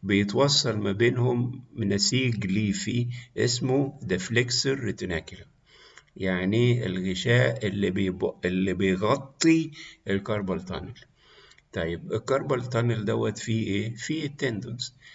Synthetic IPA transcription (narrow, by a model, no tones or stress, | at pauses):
bɪjet̪wɑsˤːɑlmæbeːnhʊmnæsiːɡliːfiʔesmod̪æflekseɾt̪nækɪla | jaʕniḛlɣɪʃæːʔelːibebelːibejɣɑt̪ˤːiʔɪlkɑɾˤbɑlt̪ˤɑ̰nɪl | t̪ˤɑjːɪbɪlkɑɾˤbɑlt̪ˤɑneld̪æwːæt̪fiʔeːfit̪ːend̪ons